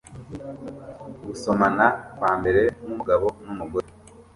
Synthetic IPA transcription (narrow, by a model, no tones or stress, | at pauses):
ɡuso̞manakwaːmbe̞ɾe̞mumuɡaβo̞numuɡoɾe